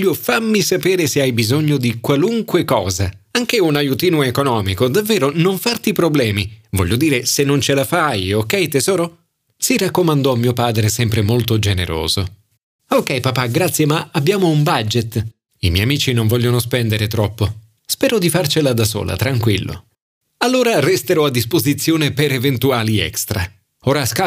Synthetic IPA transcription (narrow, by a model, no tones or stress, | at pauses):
ʎːofamːisapeːɾeseajbizoɲːod̪ikwaluŋkwekɔːza | aŋk̟eunajut̪iːnoekonɔːmikod̪avːeːɾonoɱfart̪ipɾoblɛːmivɔʎːod̪iːɾesenːont͡ʃelafajokːɛjt̪ezɔːɾo | sirakːomand̪ɔmːiːopaːd̪ɾesɛmpɾemolt̪od͡ʒenḛɾo̰ːzo | okːɛjpapaɡɾat̪sːjemaabːjaːmoumbad͡ʒet̪ː | imɛjamiːt͡ʃinoɱvɔʎjːjonospɛnd̪eɾet̪ɾɔpːo | spɛːɾod̪ifart͡ʃelad̪aso̰ːlʔa̰t̪ɾaŋkwilːʔo̰ | alːoːɾarɛst̪eɾɔad̪ːispozit̪sːjoːnepeɾevent̪uaːliɛ̰kst̪ɾa | oːɾaska